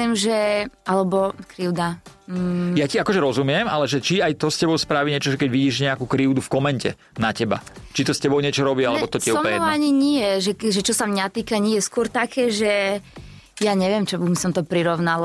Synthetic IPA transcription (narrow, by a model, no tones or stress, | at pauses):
imʒɛalɛbɔkɾiʊd̪a | jaciakɔʒɛɾɔzumɪɛmalɛʒɛt͡ʃiajt̪ɔscɛbɔʊspɾaʋiɲɪɛt͡ʃɔʒɛkɛɟʋiɟiːʒɲɛakuːkɾiʊd̪ufkɔmɛɲcɛ̰ | nacɛba̰t͡ʃit̪ɔscɛbɔʊɲɪɛt͡ʃɔɾɔbialɛbɔt̪ɔiɛuɔmɔʋaɲiɲijɛʒɛʒɛt͡ʃɔsamɲat̪iːkaɲijɛskʊɔɾt̪akʰɛːʒɛ | jaɲɛʋɪɛmt͡ʃɔmisɔmt̪ɔpɾiɾɔʊnal